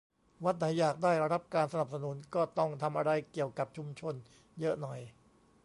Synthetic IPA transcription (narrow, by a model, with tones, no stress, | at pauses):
wa˦˥t̪̚na˩˦jːaː˨˩k̚daː˥˩jɾa˧ɾa˦˥p̚kaː˧nsa˧na˨˩p̚sa˧nu˩˦nkɔː˥˩t̪ɔ˥˩ŋt̪ʰa˧mʔa˧ɾa˧jki˨˩əwka˨˩p̚t͡ɕʰu˧mt͡ɕʰo˧n | jɤ˦˥ʔnɔ˨˩j